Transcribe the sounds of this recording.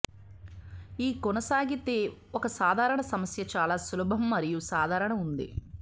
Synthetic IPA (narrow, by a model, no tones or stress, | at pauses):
iːkɔnɐsaːɡit̪e̞ː | ɔkɐsaːd̪ʱaːɾɐɳɐsɐmɐsjɐt͡ʃaːlaːsulubʱɐmːɐɾijusaːd̪ʱaːɾɐɳɐmund̪ḭ